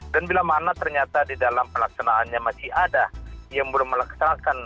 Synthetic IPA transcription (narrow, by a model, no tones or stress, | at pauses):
danbilamanat̪ərɲat̪adidalampəlaksanaːnɲamat͡ʃiadajaŋbolahməlaksanakan